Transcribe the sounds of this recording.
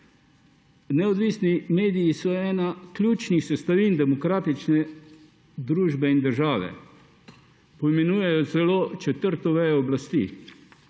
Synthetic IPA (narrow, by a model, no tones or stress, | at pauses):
nɛɔd̪ʋiːsnimeːd̪ijisɔɛːnaklʲuːt͡ʃnixsɛst̪aʋiːnd̪ɛmɔkɾaːt̪it͡ʃnɛ | d̪ɾuːʒbɛind̪əɾʒaːʋɛ̰ | pɔimɛnuːjɛjɔsɛloːt͡ʃɛt̪əɾt̪ɔʋɛɔblast̪ḭ